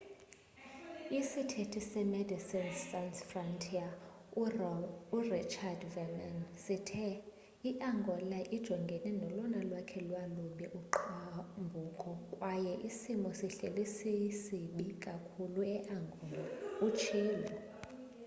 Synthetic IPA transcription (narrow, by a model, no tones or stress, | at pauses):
isitʰetʰisɛmɛdisinːansfrɔntʰʼia | urit͡ʃʰardvɛnansitʰɛ | iʔaŋɡʱɔlaʔid̥ʒ̥ʱɔŋɡʱɛnɛnɔlɔnalwakʰɛlwaluɓɛʔuǃambʱukʼɔkʼwajɛʔisimɔsiɬelisisiɓikʼakʰuluɛʔaŋɡʱɔlaut͡ʃʰiːlɔ